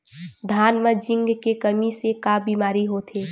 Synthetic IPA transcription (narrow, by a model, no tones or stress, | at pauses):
d̪ʱaːnməd͡ʒɪ̃ŋɡkekəmisekabiːmaːɾiɦot̪ʰeː